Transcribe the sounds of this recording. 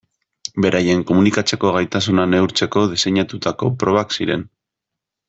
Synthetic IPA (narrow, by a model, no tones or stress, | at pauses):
be̞ɾʔaje̞ŋko̞munikat͡se̞ko̞ɣajt̪asunane̞uɾt͡se̞ko̞ð̞ise̞ɲat̪ut̪ako̞pɾo̞β̞aksiɾe̞n